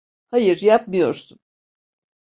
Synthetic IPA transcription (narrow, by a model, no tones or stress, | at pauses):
hajɯɾjap̚mɯjo̞ɾsun